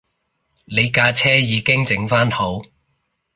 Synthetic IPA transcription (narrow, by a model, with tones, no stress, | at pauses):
ne˨˧jkaː˧t͡sʰɛː˥jiː˨˧kɪ˥ŋt͡sɪ˨˥ŋfaː˥nho˨˥w